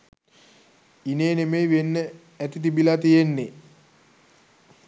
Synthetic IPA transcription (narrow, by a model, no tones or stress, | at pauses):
ineːnemejʋenːə | æt̪it̪̬ibilat̪ijenːe